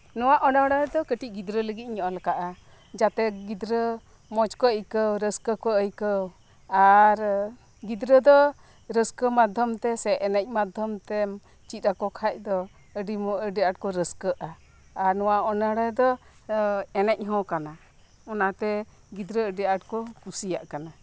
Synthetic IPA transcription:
nɔwaʔɔnəɽəd̪ɔkəʈic̚ˀɡid̪ɾələɡit̪̚ɲɔʔɔlɛkaʔa | d͡ʒat̪ɛɡid̪ɾə | mɔt͡ʃkɔəjkəwɾəskəkɔəjkəw | aɾ | ɡid̪ɾəd̪ɔ | ɾəskəmad̪ʱjɔmt̪ɛsɛʔɛnɛc̚ˀmad̪ʱɔmt̪ɛ | t͡ʃit̪̚ɾakɔkʰac̚d̪ɔ | əɖiməɖiaʈ̚kɔɾəskəʔa | aɾnɔwaɔnəɽɛd̪ɔ | ɛnɛc̚ɦɔ̃kana | ɔnat̪ɛ | ɡid̪ɾəəɖiaʈ̚kɔkusijaʔkana

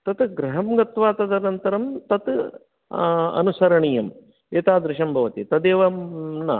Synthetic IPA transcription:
t̪ɐt̪ɡɾɐɦɐmɡɐt̪ʋaːt̪ɐd̪ɐnɐnt̪ɐɾɐmt̪ɐt̪ | ɐ̰nusɐɾɐɳijɐm | eːt̪aːd̪ɾɪʃɐmbʱɐʋɐt̪it̪ɐd̪eːʋɐnɐ̰

